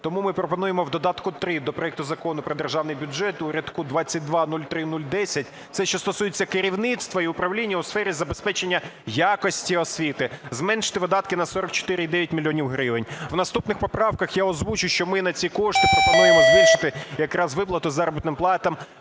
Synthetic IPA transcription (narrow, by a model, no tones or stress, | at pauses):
t̪ɔmumɪpɾɔpɔnujemɔwd̪ɔd̪ɑt̪kʊt̪ɾɪd̪ɔpɾɔɛk̚t̪ʊzɐkɔnʊpɾɔd̪erʒɑwnɪjbʲʊd͡ʒɛt̪ʊɾʲɐt̪kud̪ʋɑt͡sʲːɐt̚ʲd̪ʋɑnulʲt̪ɾɪnulʲd̪ɛsʲɐt̚ʲ | t̪sɛʃt͡ʃɔst̪ɔsujet͡sʲːɐkɪɾʲiwnɪt̪st̪ʋɔiʊpɾɐʋlʲinʲːɐʊsfɛɾʲizɐbespɛt͡ʃe̞nʲːɐjakɔsʲtʲiɔsʲʋʲit̪ɪzmɛnʃɪ̥t̪ɪʋɪd̪ɑt̪kɪnɐsɔɾɔkt͡ʃɔ̥t̪ɪɾɪid̪ɛʋʲjɐtʲmʲilʲːɔnʲiwɦɾɪʋɪnʲwnɐst̪upnɪxpɔpɾɑwkɐxjaɔzʋut͡ʃʊjʃt͡ʃɔmɪnɐt͡sʲikɔʃt̪ɪpɾɔpɔnujemɔzʋɪʃɪ̥t̪ɪjɐkɾɑzʋɪplˠɐt̪ʊzɑɾɔbɨt̪nɪmplˠɑt̪ɐm